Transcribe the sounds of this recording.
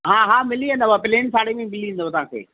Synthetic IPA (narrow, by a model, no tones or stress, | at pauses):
ɦãːɦaːmɪliɦẽnd̪oʋapɪleːnsaːɽemẽmɪliĩːn̆d̪ot̪ɐʋɦãːkʰḛː